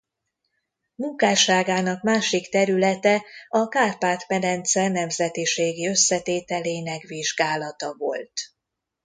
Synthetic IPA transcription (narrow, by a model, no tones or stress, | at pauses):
muŋkaːʃaːɡaːnɒkmaːʃikt̪ɛɾylɛt̪ɛɒkaːrpaːt̪mɛd̪ɛnt̪sɛrnɛmzɛt̪iʃeːɡiø̞sːɛt̪eːt̪ɛleːnɛkʋiʒɡaːlɒt̪ɒvo̞̰lt̪